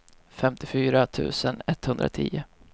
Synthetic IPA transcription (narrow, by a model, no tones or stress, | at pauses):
fɛmt̪ɪfyːɾat̪ʰʉ̟̰ːsənɛt̪ːhɵnd̪ɾʔa̰t̪ʰḭːʊ